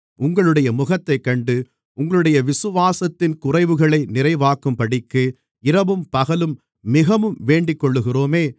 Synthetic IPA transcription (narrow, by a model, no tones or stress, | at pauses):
ʔʊŋɡɐɭɯɽɐjɐmʊɣɐt̪ːɐɪkːɐɳɖɯ | ʊŋɡɐɭɯɽɐjɐʋɪsɯʋaːsɐt̪ːɪnkʊrɐɪʋɯɣɐɭɐɪnɪrɐɪʋaːkɯmpɐɽɪkːɯ | ɪɾɐbɯmpɐɣɐlɯmː | ɪɣɐʋɯmʋeːɳɖɪkːɔɭːɯɣɪroːmeː